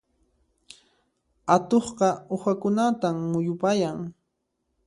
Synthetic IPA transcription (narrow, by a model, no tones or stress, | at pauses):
at̪oχqɑʊxakʊnat̪amːʊjʊpajaŋ